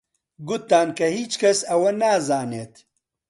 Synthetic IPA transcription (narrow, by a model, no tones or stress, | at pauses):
ɡʊt̪ːaːnkɐhiːt͡ʃkʰɐsɐwɐnaːzaːneːt̪